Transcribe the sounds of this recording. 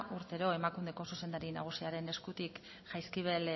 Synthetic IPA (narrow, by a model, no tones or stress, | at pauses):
ʔuɾt̪e̞ɾo̞e̞makund̪e̞ko̞suse̞nd̪aɾina̰ɣ̞usiaɾe̞ne̞skut̪ik | ʝajskiβe̞l